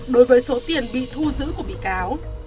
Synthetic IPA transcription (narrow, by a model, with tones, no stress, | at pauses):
ɗo˨˦jvəː˨˦jso˨˦t̪i˨˩ənɓḭ˧˨t̪ʰu˧zɨ̰˧˥ku˧˩əɓḭ˧˨kaː˨˦w